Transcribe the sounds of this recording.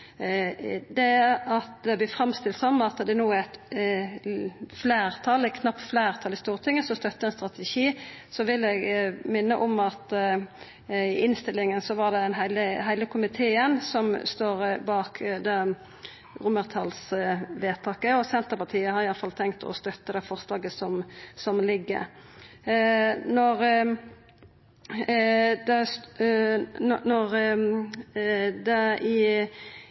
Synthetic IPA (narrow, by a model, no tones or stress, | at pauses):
d̪ɛɑt̪̚d̪ɛb̪ɪfɾɑmst̪ɪlt̪sɔmɑt̪d̪ɛnuːæt̪ | fleːɾt̪ʰɑlɛtkʰnɑpt̪fleːʁt̪ʰɑlɪst̪uːʁt̪ʰɪŋːəsɔst̪œt̪ːəɛnst̪ʁɑt̪ɛʃiːsɔʋɪlɛɡmɪnːəʔɔmɑt̪ | ɪɪnst̪ɪlːɪŋənsɔʋɑʁd̪ɛd̪ɛnɦæɪləɦæɪləkʰʊmɪt̪ʰeːənsɔmst̪oːɾbɑːkʰd̪ɛ | ʁʊməʁt̪ʰɑlsʋeːt̪ʰɑːkəɔsɛnt̪əʁpɑt̪ʰiːəhɑɾɪjɑlfɑlt̪ʰɛŋkt̪ɔ̰st̪œt̪ːəd̪ɛfɔʁslɑːɡəsɔmsɔmlɪɡːə̰ | nɔʁ | d̪ɛs | nɔʁ | d̪ɛɪ